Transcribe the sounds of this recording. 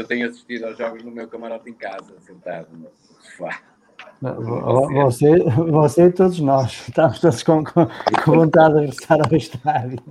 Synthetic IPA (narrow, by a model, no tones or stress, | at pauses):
ewt̪eɲuɐsi̥ʃt̪iðawʒɔɣuʒnumewkɐmɐɾɔt̪ẽkazɐsẽnt̪a̰ðum | fa̰ | vɔvɔvɔsevɔseit̪oðuʒnɔʃʃt̪amʊʃt̪oðuʃkõkõkʰõvõnt̪aððɨʁɣɨɾɨsaɾawʃt̪aðju